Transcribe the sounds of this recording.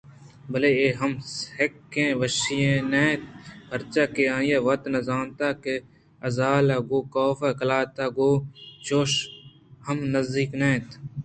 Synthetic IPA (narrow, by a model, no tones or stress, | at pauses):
bəleeːɦɐmshekːẽːʋəʃijẽːneːt̪bʱəɾt͡ʃaːkeãːjeːʋɐt̪nɐzaːnt̪aːke | ɐzaːlaːɡoːkoːfeːkɐlaːt̪aːɡoːt͡ʃoːʃ | həmnəzd̪iːknẽːt̪